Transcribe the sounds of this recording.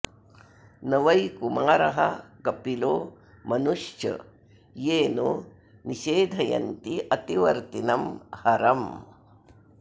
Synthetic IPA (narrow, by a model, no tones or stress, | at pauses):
nɐʋɐjkumaːɾɐɦɐ̰kɐpiloː | mɐnuʂjɐ̰ | jeːno | niʃeːd̪ʱɐjɐ̰nt̪iʔɐt̪iʋɐ̰ɾt̪inɐmhɐɾɐm